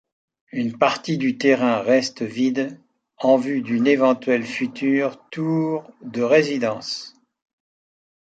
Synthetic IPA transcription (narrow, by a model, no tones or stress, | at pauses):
ynpaʁt̪id̪yt̪eʁɛ̃ʁɛst̪əvid̪ | ɑ̃vyd̪ynevɑ̃t̪ɥɛlfyt̪yʁt̪uʁd̪əʁezid̪ɑ̃ːs